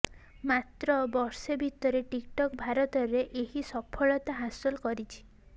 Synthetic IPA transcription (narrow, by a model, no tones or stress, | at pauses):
mat̪ɾɔbɔɾsebʱit̪ɔɾeʈikʈɔkbʱaɾɔt̪ɔɾeʔeɦisɔpʰɔɭɔt̪aɦasɔlkɔɾit͡ʃʰi̥